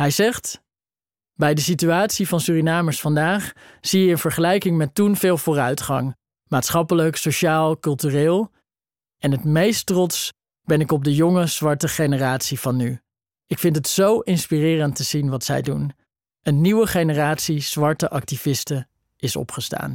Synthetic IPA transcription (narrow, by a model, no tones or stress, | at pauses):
ɦɛjzɛχt | bɛjdəsityaːtsivɑnsyːrinaːməɹsfɑndaːχz̥ijəənvəɹχəlɛjkɪŋmɛtunv̥ɪːlˠvʊːrœɥtχɑ̰ŋ | maːtsχɑpələksoʃaːlˠkɵlˠtyrɪːlˠ | ɛnɦətmejstrɔts | b̥ɛnɪkɔb̚dəjɔŋəz̥ʋɑɹtəχejnəraːtsiv̥ɑnːy | ɪkfɪntɦətsowʔɪnspirɪːrəntəz̥inʋɑtsɛ̰jdun | ənːiwəχejnəraːtsiz̥ʋɑɹtəʔɑk̚tivɪstə | ɪsɔ̰pχəsta̰ːn